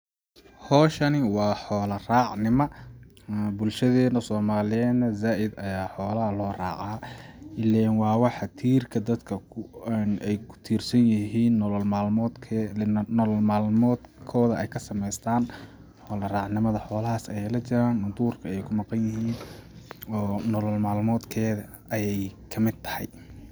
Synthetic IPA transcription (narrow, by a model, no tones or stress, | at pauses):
hɔːʃɐnɪwɑːħɔːlɐrɑːʕnɪmɐ | bʊlʃɐðɛːnɐsɔːmaːlɪjɛːd̪nɐzaːʔɪd̪ɐjaːħɔːlɐɦlɔːrɑ̰ːʕɑːɪlɛːnwɑːwɑħɑt̪ʰiːrkʰɐd̪ɐd̪kʰɐnɛjkʰʊ̥t̪ʰiːrsɐnjɐɦiːnːɔlɔlmaːlmɔːd̪kʰ | llmaːlmɔːd̪kʰɔːðɐɛjkʰɐsɐmɛjst̪ʰaːn | ħɔːlɐraːqnɪmɐðɐħɔːlɐɦɐsɐjɛjlɐt͡ʃɪɾaːnʊd̪uːrkʰɐɛjkʰʊmɑqɑnjɪɦiːn | ɔːnɔlɔlmaːlmɔːd̪kʰɛːðɐ | ɐjɛjkʰɐmɪd̪̚t̪ʰɐ̥hɛ̰j